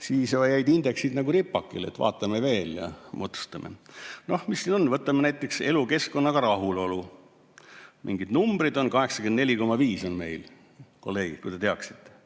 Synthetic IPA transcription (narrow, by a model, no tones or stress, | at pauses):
siːsɑjjæjd̪ind̪̥e̞ksid̪nɑɡuɾipːˑɑkːˑḭlet̪vɑ̰ːt̪ːˑɑmeve̞ːljɑ̰mot̪su̥st̪ɑmʔḛno̞hmisːino̞nːvɤt̪ːˑɑmenæjt̪ːˑe̞kse̞luke̞sko̞nːɑɡ̥ɑɾɑɦulo̞lu | mʔḭŋɡid̪numb̥rid̪o̞nkɑɦe̞ksɑ̥kend̪ne̞lʲiko̞mɑviːso̞nme̞̰jl | ko̞lːe̞jkujd̪et̪eɑksi̥t̪ːe̥